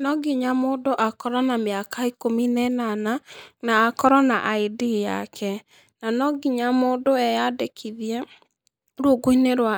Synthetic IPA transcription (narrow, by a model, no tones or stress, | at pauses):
nɔɡiɲamoːdoʔakɔɾanameakaikominɛnananaːkɔɾanaʔaidija̰kʰɛ | nanɔɡiɲamoːdoɛjadekʰiðiɛ | ɾuoɡoineɾwa